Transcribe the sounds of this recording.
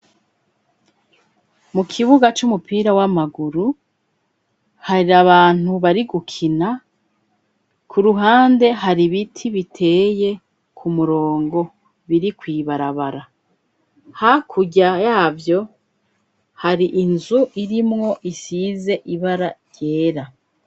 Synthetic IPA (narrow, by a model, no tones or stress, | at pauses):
mukʰiβuɡat͡ʃumupiːɾawamaɡuɾu | haɾiaβaːn̥huβaɾiɡukʰina | kʰuɾuɦaːnde̞ɦaɾiβitʰiβitʰe̞ːje̞ | kʰumuɾo̞ːŋɡo̞ | βiɾikwiːβaɾaβaɾa | hakʰuɟajaːvjo̞ | haɾiʔinzuʔiɾimŋo̞ʔisize̞ʔiβaɾaɾje̞ːɾa